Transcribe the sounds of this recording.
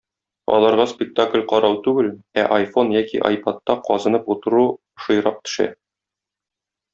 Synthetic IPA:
ɒ̰lˠɑɾʁɑspʲɪk̚t̪aklʲqɒɾɑwt̪ʉɡɘlæʔɐjfo̞njækiʔɐ̰jpat̪ːɑqɒzɤ̆nɤput̪ɤ̆ɾu | ʃɤ̆jɾɑq̚t̪ɵ̥̆ʃæ̰

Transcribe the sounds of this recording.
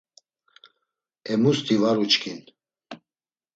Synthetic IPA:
ɛmust̪ʰivaɾut͡ʃkʰin

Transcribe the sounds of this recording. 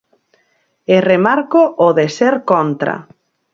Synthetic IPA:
eremaɾkoʔoðeseɾkɔnt̪ɾa̰

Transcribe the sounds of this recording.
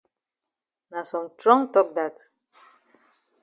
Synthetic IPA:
nasɔ̃mtɹɔ̃ŋtɔk̚d̪at

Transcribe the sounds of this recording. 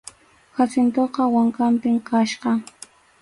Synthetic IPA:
xasɪnt̪oqɑwaŋkampɪmkaʃqɑ

